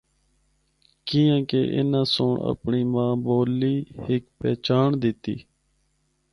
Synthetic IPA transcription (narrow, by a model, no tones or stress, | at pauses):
kĩːjãːkḛːʔɪ̰nãːsoːɳə̰pɳiːmãːboːliːhɪkpɛːt͡ʃaːɳd̪ɪt̪ḭː